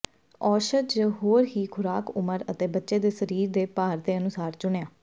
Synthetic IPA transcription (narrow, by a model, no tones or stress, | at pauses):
ɔːʃət̪d͡ʒɦoːɾɦiːkʰʊɾaːkʊməɾət̪eːbətːʃeːd̪eːsəɾiːɾd̪eːpaːɾd̪eːənʊsaːɾt͡ʃʊɳejãː